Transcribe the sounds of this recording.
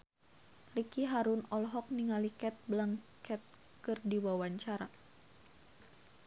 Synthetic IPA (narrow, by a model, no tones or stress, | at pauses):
rikiɦaɾunɔlɦɔk̚niŋalikɛt̪̚blaŋkɛt̪̚ | kɨrdiwawaɲt͡ʃaɾa